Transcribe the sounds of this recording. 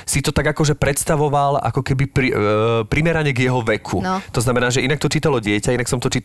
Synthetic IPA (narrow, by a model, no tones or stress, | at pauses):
sit̪ɔt̪aɡakɔʒɛpɾɛt̪st̪aʋɔʋala̰kɔkɛbipɾipɾimɛɾaɲɛɡjɛɦɔʋɛkʰut̪ɔznamɛnaːʒɛʔinak̚t̪ɔt͡ʃiːt̪alɔɟɪɛcainaksɔmt̪ɔt͡ʃiːt̪